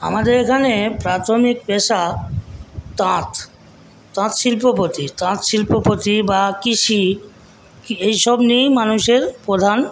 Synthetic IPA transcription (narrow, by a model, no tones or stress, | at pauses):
a̰mad̪eɾekʰanepɾat̪ʰomikpeʃa | t̪ãt̪ː | ãt̪ʃilpopot̪it̪ãt̪ʃilpopot̪ibakiʃi | kejʃɔbnijmanuʃeɾpɾod̪ʱan